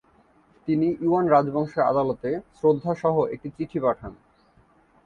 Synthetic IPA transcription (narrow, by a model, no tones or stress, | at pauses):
t̪iniʔuanɾad͡ʑbɔŋʃeɾa̰d̪alot̪esɾod̪ʱːaʃɔɦoʔek̚ʈit͡ɕiʈʰipaʈʰan